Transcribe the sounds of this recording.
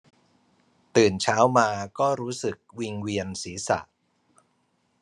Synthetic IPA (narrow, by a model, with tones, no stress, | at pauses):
t̪ɯː˨˩nt͡ɕʰaː˦˥wmaː˧kɔː˥˩ɾuː˦˥sɯ˨˩k̚wi˧ŋwi˧ənsiː˩˦sa̰˨˩ʔ